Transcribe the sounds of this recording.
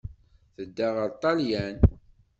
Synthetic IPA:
θəd̪ːaʁəɾt̪ˤːɑljæn

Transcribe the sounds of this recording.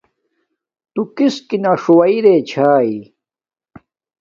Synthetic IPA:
t̪ukɪskinaʂʊwajɾeːt͡ɕʰaːj

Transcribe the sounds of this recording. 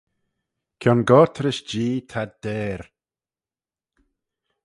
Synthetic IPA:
kʲʰjɔnɡɔːt̪ʰɾɪʃd͡ʒiːt̪ʰad̪ɛːɾ

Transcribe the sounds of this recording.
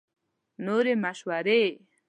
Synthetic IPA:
noɾemaʃwaɾe

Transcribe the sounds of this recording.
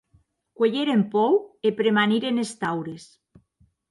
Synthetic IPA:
kweʎeɾempɔwepɾemaniɾenest̪awɾes

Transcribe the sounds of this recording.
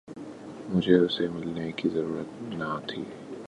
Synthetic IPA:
mʊd͡ʒʱeʊsemɪlnekizɐɾuːɾət̪nɐt̪ʰḭː

